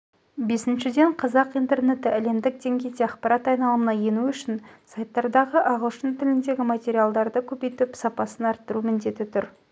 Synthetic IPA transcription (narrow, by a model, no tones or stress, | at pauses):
be̞sɪnʃɪd̪e̞ɴqʰɑzɑqijnt̪e̞rne̞t̪ɪʔæle̞md̪ɪk̚d̪e̞ŋɡʲe̞jd̪eɑqpɑɾʔɑt̪ɑjnɑlˠəmənɑje̞nuʏʃɪnsajt̪ːɑɾd̪ɑʁəʔɑʁəlˠʃənt̪ʰɪlɪnd̪e̞ɡʲɪmat̪ʲe̞ɾijalˠd̪ɑɾd̪əkʲʰɵpejt̪ɪpsɑpɑsənɑɾt̪ːəɾumɪnd̪e̞t̪ɪt̪ʰʊɾ